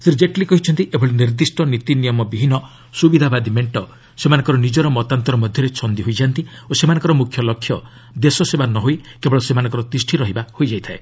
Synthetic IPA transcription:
siɾd͡ʒeʈlikɔɦit͡ʃʰɔnt̪iʔebʱɔɭeniɾd̪isʈɔnit̪inijɔmɔbiɦinɔ | subid̪ʱabad̪imeɳʈɔ | semanɔ̃ŋkɔɾɔnid͡ʒɔɾɔmɔt̪ant̪ɔɾɔmɔd̪ʱjɔɾet͡ʃʰɔnd̪iɦojd͡ʒant̪iosemanɔŋkɔɾɔmukʰjɔlɔkʰːjɔ | d̪esɔsebanɔɦojkebɔɭɔsemanɔŋkɔɾɔt̪isʈʰiɾɔɦibahojd͡ʒajt̪ʰae

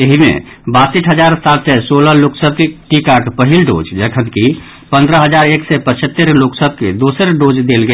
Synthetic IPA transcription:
eɦimḛ | basiʈʰɦəd͡ʒaɾsat̪sɛsoləloksət̪ʈikakepəɦilɖo̰d͡ʒd͡ʒəkʰənki | pə̃nd̪ɾəɦəd͡ʒaɾeksɛpət͡ʃʰət̪ːəɾloksət̪̚ked̪osəɾɖod͡ʒd̪elɡe

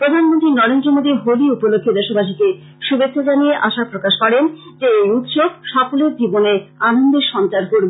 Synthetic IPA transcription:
pɾod̪ʱanmont̪ɾinɔɾend̪ɾomod̪iɦoliupolokʰːed̪eʃobaʃ̬ike | ʃubekʰːod͡ʑanijeʔaʃapɾokaʃkɔɾen | d͡ʑeejut̪ʃob̚ʃɔfoleɾd͡ʑiboneanond̪eɾʃɔnt͡ɕaɾkoɾbe

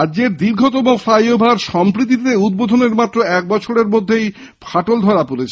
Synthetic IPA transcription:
ad͡ʑeɾd̪iɾɡʱot̪omofɾajobʱaɾʃɔmpɾit̪it̪eud̪̚bod̪ʱoneɾmat̪ːɾoɛk̚bɔt͡ɕʰoɾeɾmod̪ʱːej | fʰaʈold̪ʱɔɾapolet͡ɕʰe

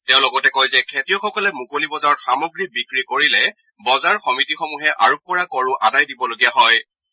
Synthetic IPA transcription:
tɛʊ̃lɔɡɔtɛkɔjzɛkʰetijɔxɔkɔlɛmukolibɔzaɹɔxamɔɡɹibikɹikoɹilɛ | bɔzaɹxɔmitixɔmuɦɛʔa̰ɹukɔɹakɔɹʊʔadajdibɔloɡijaɦɔj

